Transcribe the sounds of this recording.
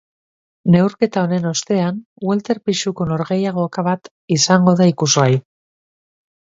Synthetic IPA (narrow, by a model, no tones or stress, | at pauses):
ne̞wɾke̞t̪ao̞ne̞no̞st̪e̞an | welt̪e̞ɾpiʃuko̞no̞ɾɣe̞jaɣ̞o̞kaβat̪ | isaŋɡo̞ðaikuzɣaj